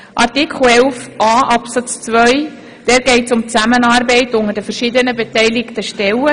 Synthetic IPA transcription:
ʔɑrtɪkʰχl̩ɛlfʔɑːʔɑpsɑt͡st͡sʋœj | d̥ɛːɾɡ̥ɛɪtt͡sʊmt͡sæmənɑːɾbɛɪtʊŋəɾdəfəɾʃɪd̪ənəbɛtɛɪlɪktəʃtɛlə

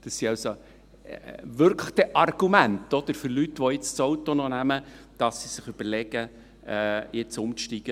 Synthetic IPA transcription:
d̪̥ɑsːiɑwso | ʋʏɾkʰlə̥t̪ɛʔɑrɡ̥umænt̪ɔd̪̥əɾfʏɾlytʋɔɪt͡st͡sowt̪ɔnɔnæmə | d̥ɑsːisɪχʏb̥əɾlɛɡ̥ə | ɛjɪt͡sʊmt͡sʃtiɡ̥ə

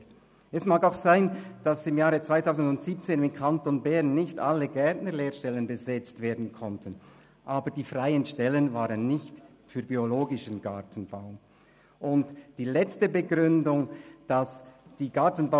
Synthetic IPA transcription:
ɛsmaːkaʊxsaɪnd̥asɪmjaːʁət͡sv̥aɪtʰaʊzn̩dʊntz̥iːp̚t͡seːnɪmkʰantonbɛʁnːɪçta̰ləɡɛɐtnəleːʃtɛlənbəzɛt͡stv̥eːɐdn̩kʰɔntʰən | ʔaːbədiːfʁaɪənʃtɛlənvaːʁənːɪçt | fyːɐbioloːɡɪʃənɡatʰən̩b̥aʊ | ʔʊntd̥iːlɛt͡stəbəɡʁʏndʊŋd̥asd̥iːɡatn̩ba

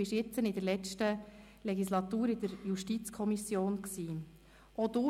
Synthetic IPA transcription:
ɪʃɪt͡sənɪdəɾlɛt͡ʃtə | lɛɡislɑt̪uːɾɪd̥̪əɾjuʃtit͡skʰɔmisjoːnksiː | ʔod̥̪ʊ

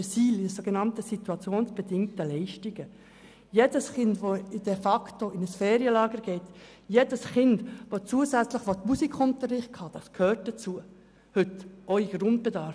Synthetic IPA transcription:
əsiːlɪsoɡənɑntəsituɑt͡sjoːnsb̥ɛdɪŋtəlɛɪʃtiɡ̥ə | jedəsχɪndʋoɪd̥ɛfɑktoɪnəsfeːɾiəlɑːɡəɾɡ̥ɛɪt | jedəsχɪndʋot͡suəzæt͡sləχʋotmusikχʊntəɾɪχkhɑd̥ɑskʰhøːt̚d̥ət͡suə | hʏtʔɔiɡ̥ɾʊnd̚b̥edɑɾ

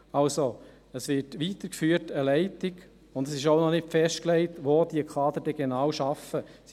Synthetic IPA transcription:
ɑlso | əsʋɪtʋiːt̪əɾkfyːətəlɛɪtɪɡ | ʊndəsɪʃoʊnɔnɪtfɛʃtklɛɪtʋoːd̥iəkʰɑːd̪əɾd̥ɛɡ̥enɑːwʃɑfəs

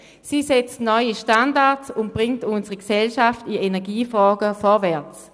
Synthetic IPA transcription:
siːsɛt͡stnɔʏiʃtandaɐtsʊnt̚b̥ʁɪŋtʊnsəʁiksɛlʃaftienɛɐɡiːfʁɔːɡəfɔɐʋɛɐt͡s

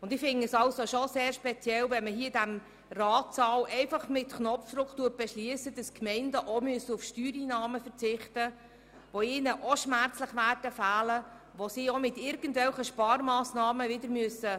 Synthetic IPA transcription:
ʊnd̪ɪfɪŋəsɑlsoʃoseːɾʃpɛt͡sjɛlʋɛnməɦiːədæm | rɑːtsɑːlɛɪfɑχmɪtknɔfd̪ɾʊktuət̚b̥ɛʃliəsəd̥ɑskmɛɪndəʔomyəsəufʃtyːɾiːnɑːməfəɾt͡sɪχtə | ʋoiːnəʔoʃmæɾt͡sləχʋæːrdəfæːlə | ʋosiomɪt̪ɪɾɡən̩tvɛlχəʃpɑːɾmɑːsnɑːməʋɪdəɾmyəsə

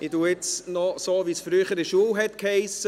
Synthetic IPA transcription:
ɪduːɪt͡snɔsoːʋisfɾyːχəɾɪʃuəwɦɛt̪khɛɪsə

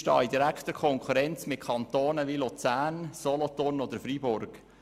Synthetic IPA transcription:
ʃtɑ̰ːid̪iɾækt̪əkʰɔŋkʰuɾɛnt͡smɪt̚kʰɑnt̪oːnəʋilut͡sæːnsɔlɔt̪ʊrnɔd̪əɾfɾibʊɾɡ̥

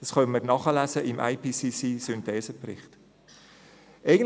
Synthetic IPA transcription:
d̥ɑsχœmərnɑχəlæzəʔɪmʔa̰ɪpʰiːsisiːsyntɛːsəprɪ̰χt | ʔɛɪɡən

